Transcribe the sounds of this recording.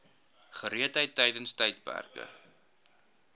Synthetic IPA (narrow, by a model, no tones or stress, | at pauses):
χəɾiətɦəjtːəjdənstɐjt̚pæ̰rkə̰